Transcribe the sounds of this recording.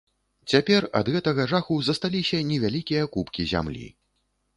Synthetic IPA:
t͡sʲapʲɛrɐ̰d̪ɣɛt̪ɐɣɐʐaxuzɐst̪alʲisʲɐnʲɛvʲalʲikʲijɐkupkʲizʲa̰mlʲḭ

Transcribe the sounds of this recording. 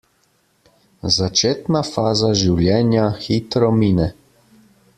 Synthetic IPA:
zat͡ʃeːt̪nafaːzaʒiwljɛːnjaxit̪ɾɔmiːnɛ

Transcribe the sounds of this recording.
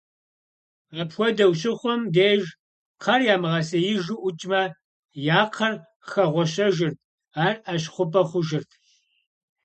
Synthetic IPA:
ʁɐpxʷɔdɐwɕɪχʷɔmdeːʒ | qʰɐrjaːmɨʁɐsɐjɪʒuʔʊt͡ʃʼmɐ | jaːqʰɐr | xɐʁʷɔɕɐʒɪrt̚ʰ | aːraɕχʷʊpʼɐχʷʊʒɪrtʰ

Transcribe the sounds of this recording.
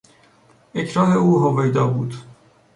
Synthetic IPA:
ecʰɾɑːneuːɦovejd̪ɒːbuːd̪

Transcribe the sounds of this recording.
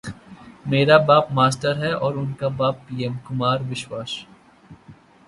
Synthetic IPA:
meːɾabaːpmaːsʈəɾɦɛɔːɾʊnkabaːpːiːemkʊmaːɾʋɪʃwaːʃ

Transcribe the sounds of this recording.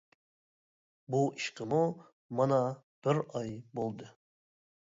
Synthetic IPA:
buʔiʃqəmu | mɑnɑ | b̥ɪɾɑjbolˠd̪ɨ

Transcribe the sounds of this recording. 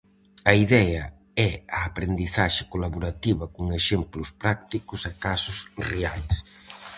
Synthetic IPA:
ɐiðɛɐ | ɛɐːpɾend̪iθaʃɪkolaβoɾat̪iβɐkoŋeʃemplʊspɾak̚t̪ikʊsakasʊsreajs

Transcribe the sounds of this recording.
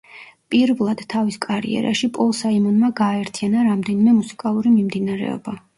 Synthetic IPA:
pʼiɾvlˠad̪̥t̪ʰaviskʼaɾḭɛ̰ɾa̰ʃipʼɔlˠsaimɔnmaɡaːɛɾt̪ʰianaɾamd̪ɛnimɛmusi̥kʼalˠuɾimimd̪inaɾɛ̰ɔ̰ba

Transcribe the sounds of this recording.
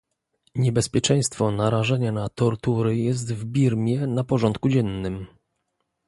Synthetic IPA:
ɲɛbɛspʲjɛt͡ʂɛ̃j̃st̪fɔnaɾaʐɛɲanat̪ɔɾt̪uɾɘjɛs̬t̪vbʲiɾmʲjɛnapɔʐɔnt̪̚kud͡ʑɛnːɘm

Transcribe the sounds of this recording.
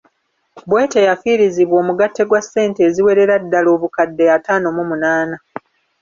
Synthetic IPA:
bwe̞ːtejafiɾiziβwo̞ːmuɡatːe̞ɡwasːe̞ːnte̞ːziwe̞ɾe̞ɾadːalo̞ːβukadːe̞jataːno̞mumunaːna

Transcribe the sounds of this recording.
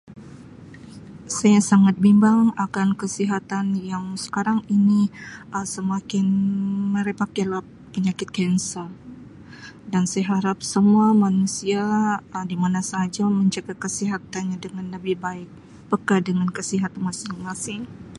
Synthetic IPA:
sajasaŋat̪̚bimbaŋakankəsiɦat̪anjaŋsə̥kaɾaŋiniʔəsəmakɪnməɾepakelah | pəɲakɪt̪̚kɛnsa | dansajaɦaɾap̚səmuamanusiadimanasad͡ʒaməɲd͡ʒaɡakəsiɦat̪anɲadəŋanləbɪhbaɪk̚ | pəkadəŋankəsiɦat̪anmasɪŋmasɪŋ

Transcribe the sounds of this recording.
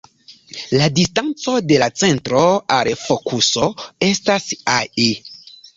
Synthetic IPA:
ladistant͡so̞de̞lat͡se̞ntɾo̞alfo̞kuso̞e̞stasae

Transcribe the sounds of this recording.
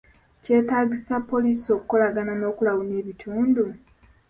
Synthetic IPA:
ce̞ːtaːɟisapːo̞liːsio̞ːkuko̞laɡanano̞ːkulawuneːβitʰuːndu

